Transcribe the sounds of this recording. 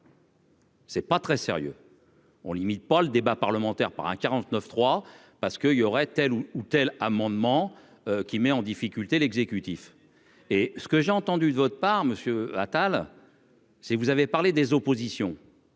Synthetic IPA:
sɛpat̪χɛsḛʁjø̰ | ɔ̰̃limit̪̚paləd̪ebapaʁləmɑ̃t̪ɛʁpa̰ʁɛ̰̃kʲaʁɑ̃t̪nœft̪χwa | paʁsə̥kəiljɔʁɛt̪ɛluut̪ɛlamɑ̃d̪mɑ̃ | økʲimɛɑ̃d̪ifikʲylt̪elɛɡzekʲyt̪if | esə̥kəʒeɑ̃t̪ɑ̃d̪yd̪əvɔt̪χəpaʁməsjøa̰t̪al | sɛkvuzavepaʁled̪ezɔpozisjɔ̃

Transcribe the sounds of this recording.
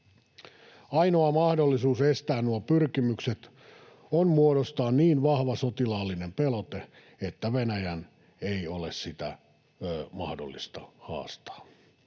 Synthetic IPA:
ɑjnoɑmɑhdolːisuːsest̪æːnnuopyrkimykset̪ | onmuoɾost̪ɑːnniːnʋɑhʋɑsot̪ilɑːlːinempelot̪e | et̪ːæʋenæjæn | eiolessit̪æ̰ | mɑ̰hdo̰lːḭst̪ɑhɑ̰ːst̪ɑ̥ː

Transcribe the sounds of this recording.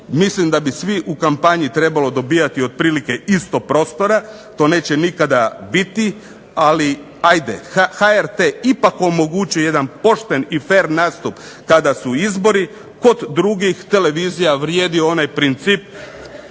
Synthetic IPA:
mislimd̪abisʋiʔukampaɲit̪ɾe̞balo̞d̪o̞biːjat̪io̞d̪̚pɾiːlike̞ist̪o̞pɾo̞ːst̪o̞ɾa | t̪o̞ne̞ːt͡ɕenikad̪abit̪i | ali | ajd̪ḛxaeɾt̪eipako̞mo̞ɡut͡ɕujoje̞d̪anpo̞ʃt̪e̞nife̞ɾnaːst̪upkad̪asuizbo̞ɾi | ko̞d̪d̪ːɾuɡixt̪e̞le̞ʋizijaʋɾje̞ːd̪ioo̞najpɾint̪siːp

